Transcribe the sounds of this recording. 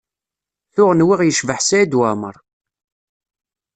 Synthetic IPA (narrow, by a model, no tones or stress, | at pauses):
θʊʁənwiʁjəʃvəħsæid̪wæmə̰ɾˤ